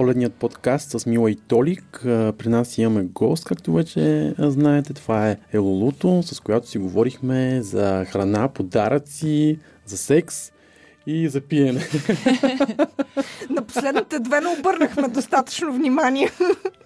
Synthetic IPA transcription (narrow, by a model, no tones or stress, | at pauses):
polɛd̪nijət̪̚pot̪kast̪səsmilˠɐit̪ɔlikəpɾinasimɐmɛɡɔst̪̚kak̚t̪ʊvɛt͡ʃɛznaɛt̪ɛt̪ovaɛɛlˠolˠut̪osɐskojat̪o̥siɡovɔɾixmɛzɐxɾɐnapod̪aɾət̪si | zɐsɛks | izɐpiɛnɛ | nɐpo̥slɛd̪nit̪ɛd̪vɛnɛobɤɾnəxmɛd̪ost̪at̪ə̥t͡ʃnovnʲimanʲiɛ